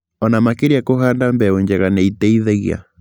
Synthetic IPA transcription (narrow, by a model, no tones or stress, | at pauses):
ɔnamakeɾiakohandambɛɛɲd͡ʒɛɣanɛitɛiðɛɣḭa̰